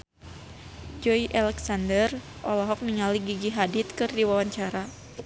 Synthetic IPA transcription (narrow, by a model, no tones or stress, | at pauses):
d͡ʒɔjʔalɛksandər | ʔɔlɔɦɔk̚niŋaliɡiɡiɦadit̪̚kɨrdiwawaɲt͡ʃaɾa